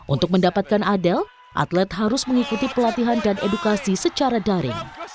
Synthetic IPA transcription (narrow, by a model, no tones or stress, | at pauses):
ʔṵnt̪ʊk̚məndapat̪̚kanadɛl | ʔa̰t̪lɛt̪̚ɦaɾʊsməŋikut̪ipəlat̪iɦandanʔedukasisət͡ʃaɾadaɾɪ̰ŋ